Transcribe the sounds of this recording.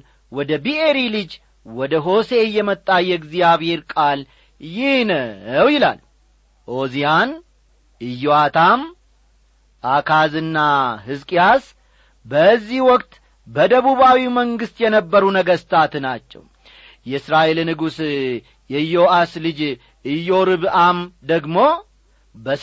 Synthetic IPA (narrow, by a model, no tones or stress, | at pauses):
wɔd̪əbiʔe̞ɾilɨd͡ʒ | wɔd̪əɦo̞se̞jɛmət̪ʼːajːɛɡzijaβhe̞ɾkʼal | jɪhnəwjɪla̰l | ʔo̞zijan | ʔɨjːoat̪ʰam | ʔakʰazɨnːahɨzkʼijas | bəzːihwɔkʼt̪ | bəd̪əβuβawiməŋɡɨst̪jɛnəbːəɾunəɡəst̪ʰat̪nat͡ʃːɛ̰w | jɛɨsɾaʔelnɨɡus | jɛjo̞ʔaslɨd͡ʒ | ʔɨjo̞ɾɨβamd̪əɡmo̞ | bə